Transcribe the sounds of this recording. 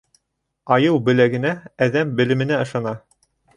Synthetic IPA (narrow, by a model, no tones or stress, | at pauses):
ɑjɤwbɘ̆læɡɘ̆nææðæmbɘ̆lɘ̆mɘ̆næɤ̆ʃɑnɑ